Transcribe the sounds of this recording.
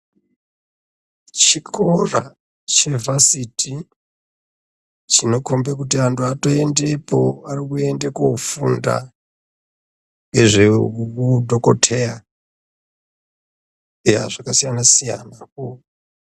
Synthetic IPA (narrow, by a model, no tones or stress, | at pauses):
t͡ʃikʰora | t͡ʃe̞vasitʰi | t͡ʃino̞kombekutiantʰuato̞e̞nde̞po̞arikue̞ndekofṵnda̰ | ŋɡe̞ʐeukudʱo̞kotʰe̞ja | ja̰ʐakasijanasija̰nako